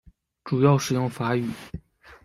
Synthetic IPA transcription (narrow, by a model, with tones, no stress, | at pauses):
ʈ͡ʂu˨˩jɑ˥˩ʊʂɻ̩˨˩jʊ˥˩ŋfa˧˥y˨˩˦